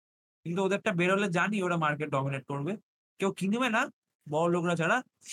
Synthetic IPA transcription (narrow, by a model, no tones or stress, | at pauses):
kint̪̬uod̪eɾ̚ʈabeɾoled͡ʑanioʈamaɾkeʈ̚ɖɔmineʈ̚koɾbe | kewkinibena | bɔolokɾat͡ɕʰaɽa